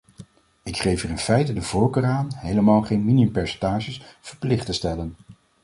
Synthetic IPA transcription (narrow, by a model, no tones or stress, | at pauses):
ɪkχejfəɹɪnfɛjtədəvɔlˠkəraːnɦejləmaːlˠχejnminiɵmpɛɹsɛntaːʒəsv̥əɹplɪχtəstɛlən